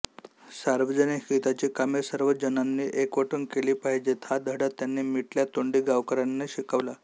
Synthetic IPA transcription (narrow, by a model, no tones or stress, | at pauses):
saɾʋəd͡ʑəniɦit̪at͡ɕiːkamesəɾʋəd͡ʑənanːiːʔekʋəʈʰunkeliːpaɦid͡ʑet̪ʰad̪ʱəɽat̪janːiːmiʈljat̪oɳɖiːɡaʋkəɾanːeɕikəʋla